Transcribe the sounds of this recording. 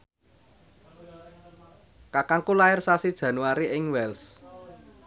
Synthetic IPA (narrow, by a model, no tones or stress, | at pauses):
kakaŋkulaɪrsasid̥ʒ̥ä̤nuaɾiʔɪŋwɛls